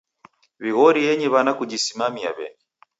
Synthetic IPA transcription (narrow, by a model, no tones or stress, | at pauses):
βiɣɔɾijɛɲɛβanakud͡ʒisimamia̰βɛ̰ni